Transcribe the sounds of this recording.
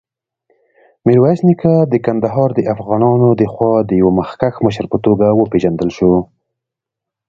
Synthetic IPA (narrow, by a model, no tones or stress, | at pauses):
miɾwasnikad̪əkand̪aɦɑɾd̪əʔafɣɑnɑnod̪əxwɑd̪əjawamaxkaxməʃəɾpət̪oɡawəpeʒand̪əlʃo